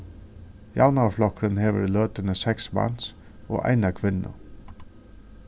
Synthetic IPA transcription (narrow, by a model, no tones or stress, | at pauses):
jaʊnaflɔkɾənheːʋə̰ɾlœːt̪ənəsɛksmɑ̰ns | o̰ːʔæ̰ɪnakʰʋɪnːə̰